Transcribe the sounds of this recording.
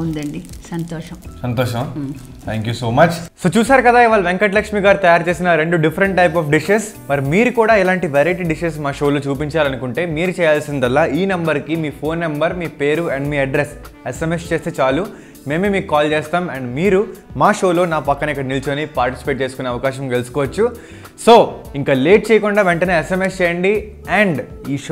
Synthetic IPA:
und̪ɐɳɖisɐnt̪ɔːʃɐmsɐnt̪ɔːʃɐm | t̪ʰæːŋkjuːsoːmɐt͡ʃsoːt͡ʃuːsaːɾukɐd̪aːiʋaːɭɐʋeŋkɐʈ̬lɐkʂmiɡaːɾut̪ɐjaːɾt͡ʃeːsinɐɾe̞ɳɖuɖipʰɐɾɐɳʈ̚ʈɐjp̬ɔːfɖiʃes | mɐɾimiːɾukuːɽaːilaːɳʈiʋɛːɾɐjʈiːɖiʃes̬maːʂoːloːt͡ʃuːpiɲt͡ʃaːlɐnukuɳʈe̞ːmiːɾut͡ʃɛːjaːlsind̪ɐlːaːʔiːnɐmbɐɾkimiːpʰo̞ːnːɐmbɐɾmiːpe̞ːɾuɐɳɖmiːɐɖɾes | esemest͡ʃe̞ːst̪eːt͡ʃaːlu | me̞ːmemiːkukːaːlt͡ʃeːst̪aːmɐɳɖmiːɾumaːʃo̞ːlo̞ːnaːpɐkːɐnɐikːɐɽɐnilt͡ʃonipaːɾʈisi̥peːʈ̚t͡ʃeːsukuneːɐʋɐkaːʃɐmkelsu̥kɔːʋɐt͡ʃːu | so̞ːiŋkaːleːʈ̚t͡ʃeːjɐkuɳɖaːʋeɳʈɐneːesemest͡ʃɛːjɐɳɖi | ɛɳɖiːʃ

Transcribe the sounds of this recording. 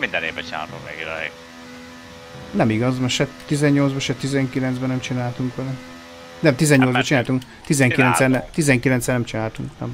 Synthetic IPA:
mind̪ɛnḛːvbːɛt͡ʃina̰ːlt̪umvɛ̰ɡid̪ɛ̰ḛɡ | nɛmiɡɒzmɛʃɛt̪ːizɛɲːoldzbɛʃɛt̪izɛŋkilɛnzbɛnɛmt͡ʃinaːlt̪uŋkʋɛlɛ | nɛmt̪izɛɲːolzbɒt͡ʃinaːlt̪uŋk | t̪izɛŋkkilɛnsɛnɛt̪izɛŋkilɛnsɛnɛmt͡ʃinaːlt̪uŋknɛ̰m

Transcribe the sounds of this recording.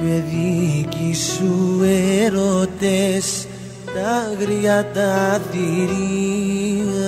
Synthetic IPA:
βeðikisueɾot̪es | t̪aɣɾiat̪at̪iɾi

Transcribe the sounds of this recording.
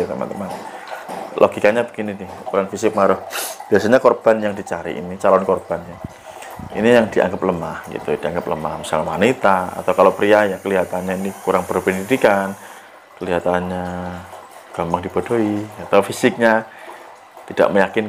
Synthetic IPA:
t̪əma̰nt̪əman | lʔo̰ɡikaɲabəɡininɪhkuɾaŋfisɪk̚maɾʊhb̥iasaɲakɔrb̥anjaŋdit͡ʃaɾḭʔḭnit͡ʃalɔnkɔrb̥anja | ḭnijaŋdiʔa̰ŋɡəp̚ləmahɡ̥ḭt̪ud̥iaŋɡəp̚ləma̰hmisalawanit̪aa̰t̪awkalowpɾiajakəliɦat̪anɲainikuɾaŋpərbənidikan | kəliɦat̪anɲa | ɡ̥ampaŋdib̥odoiat̪awfisɪk̚ɲa | t̪id̥a̰ʔməjakɪn

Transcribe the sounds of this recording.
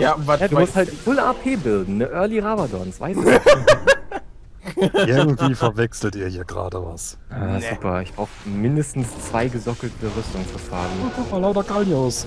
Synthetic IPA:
janɛduːmʊsthaltfʊlaːpʰeːbɪldn̩nəʔœɐliʁavadɔnsv̥a̰ɪs | ɪɐɡŋ̩tv̥iːfɛɐvɛksl̩tiːɐhiːɐɡʁa̰ːdəva̰s | aːzuːpɐɪçb̥ʁaʊxəmɪndəstn̩st͡sv̥aɪɡəzɔkl̩tʰəʁʏstʊŋfuɐfaːɡn̩pɔfalaʊtɐɡalnjoːs

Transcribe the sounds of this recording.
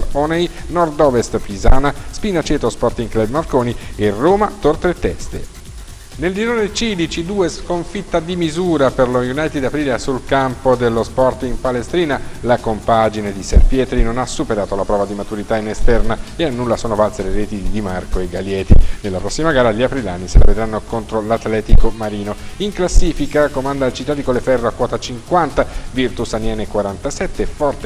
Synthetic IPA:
lɔnejnɔrd̪ɔvest̪pizaːnaspinat͡ʃɛːt̪ospɔrt̪iŋklɛbmarkoːnierːoːmat̪ort̪et̪ːɛ̰st̪ḛ | neld̪iɾoːnet͡ʃid̪it͡ʃid̪uːeskoɱfit̪ːad̪imizuːɾaperlojunajt̪id̪ːapɾiːleasulkampod̪elːospɔrt̪impalest̪ɾiːnalakompad͡ʒined̪isḛrpjɛːt̪ɾinonasːupeɾaːt̪olapɾɔːvad̪imat̪uɾit̪ainest̪ɛrnaeanːulːasoːnovalseleɾeːt̪id̪imarkoeɡaljɛːt̪inelːapɾɔsːimaɡaːɾaʎiapɾilanːisela̰ved̪ɾanːokont̪ɾolat̪lɛːt̪ikomaɾiːnoiŋklasːiːfikakomand̪ailt͡ʃit̪ːaːd̪ikolefɛrːoakwɔːt̪at͡ʃiŋkwant̪avirt̪usanjɛːnekwaɾant̪asɛt̪ːefɔrt̪e

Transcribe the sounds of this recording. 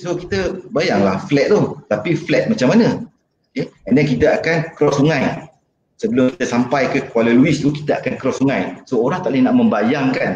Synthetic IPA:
sokit̪əbajaŋlahflɛt̪̚ːɔht̪apiflɛt̪̚mat͡ʃamːanə̃ | okeɛndɛnk̬it̪əakankɾɔsuŋaj | səbəlʊmkit̪əsampajkəkualəluɪst̪uki̥t̪əakankɾɔsuŋajsooɾaht̪aʔlɪhnaʔmə̃mbajaŋkan

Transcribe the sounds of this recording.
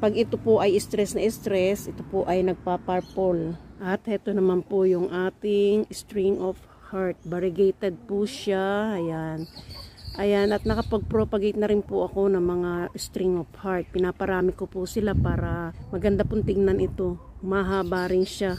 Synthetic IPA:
pɐɡɪt̪opoʔɐjɪst̪ɾɛsnɐʔɪst̪ɾɛsʔɪt̪opoʔɐjnɐɡ̚papaɾpolʔɐt̪hɛt̪onɐmanpojʊŋʔaːt̪ɪŋst̪ɾɪŋʔof | haɹt̪̚bɐɾɪɡɛjt̪ɛd̪̚pʊʃaʔɐjanʔɐjanʔɐt̪̚nɐkɐpɐɡ̚pɾoːpɐɡɛjt̪nɐɾɪnpʊʔɐko̞nɐŋmɐŋast̪ɾɪŋofhaɹt̪̚pɪnaːpɐɾaːmɪkopʊsɪlapaːɾɐmɐɡɐnd̪apʊnt̪ɪɡ̚nɐnʔɪt̪o̞mɐɦaːbaːɾɪnʃa

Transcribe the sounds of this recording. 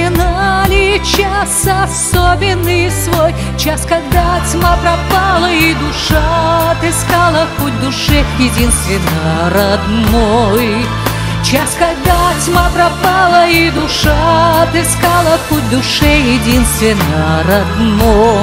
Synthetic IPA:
ɪnalʲɪt͡ɕasɐsobʲɪnːɨjsvoj | t͡ɕaskɐɡ̚d̪at͡sʲmapɾɐpalˠəid̪ʊʂat̪ɨskalˠəxut̚ʲd̪ʊʂɛjɪdʲinst̪vʲɪnːəɾɐd̪noj | t͡ɕaskɐɡ̚d̪at͡sʲmapɾɐpalˠəid̪ʊʂat̪ɨskalˠəxut̚ʲd̪ʊʂɛjɪdʲinst̪vʲɪnːəɾɐd̪no

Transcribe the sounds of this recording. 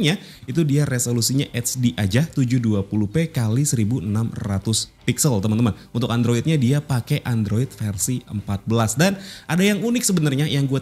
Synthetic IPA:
ɲait̪udiaresolusiɲaʔɛt̪t͡ʃdiʔad͡ʒaht̪ud͡ʒʊhduapuluhpekalisəɾibuənamrat̪ʊspiksəlt̪əmant̪əman | unt̪ʊk̚and̪ɾoɪt̪̚ɲadiapakɛʔandɾoɪt̪̚fɛrsiəmpat̪̚bəlasdanʔadajaŋunɪk̚səbənarɲajaŋɡua

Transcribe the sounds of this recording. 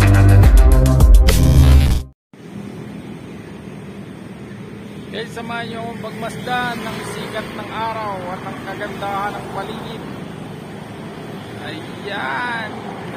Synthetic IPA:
ʔɛsɐmaɲokoŋpɐɡ̚mɐsd̪aʔnːɐŋsiːkɐt̪̚nɐŋʔaːɾawɐt̪ɐŋkɐɡɐnd̪ahanɐŋpɐliːʔɪn | ʔɐjːan

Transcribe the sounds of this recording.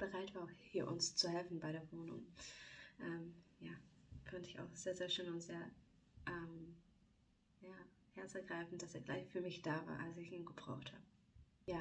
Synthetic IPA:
b̥əʁaɪtv̥aːhiːɐʔʊ̰nst͡suhɛlfn̩baɪɾeːɐvoːnʊ̰ŋ | ʔɛmjaːfɔntəɪça̰ʊxz̥eːɐzeːɐʃøːnʊntz̥eːɐ | ʔɛːm | jaː | hɛɐt͡səɡʁaɪfn̩td̥asḛːɐɡlaɪçfyːɐmɪçd̥aːva̰ːɐʔa̰lsɪçiːnɡəb̥ʁa̰ʊxtha̰ːbə | jaː

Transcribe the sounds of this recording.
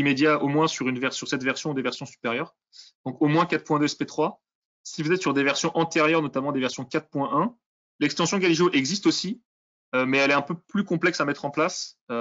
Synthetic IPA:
imed̪jaomwɛ̃syʁynvɛʁsyʁsɛt̪vɛʁsjɔ̃d̪evɛʁsjɔ̃sy̥peʁjœʁ | d̪̥ɔ̃komwɛ̃kat̪χpwɛ̃d̪øspet̪χwa | sipəzɛt̪syʁd̪evɛʁsjɔ̃ʔɑ̃t̪eʁjœʁnɔt̪amɑ̃d̪evɛʁsjɔ̃kat̪χpwɛ̃ʔɛ̃ | lɛkst̪ɑ̃sjɔ̃ɡʲaliʒoʔɛɡzist̪osi | ømɛːlɛɛ̃pøplykɔ̃plɛksamɛt̪χɑ̃plasø

